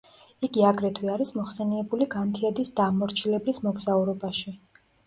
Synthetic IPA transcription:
iɡiaɡɾɛt̪ʰwiaɾismɔχsɛniɛbuliɡant̪ʰiɛd̪isd̪̥aːmɔɾt͡ʃʰilɛblismɔɡzauɾɔbaʃi

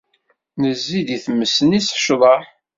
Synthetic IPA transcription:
nəzːid̪iθmːəsənisʃðˤɑħ

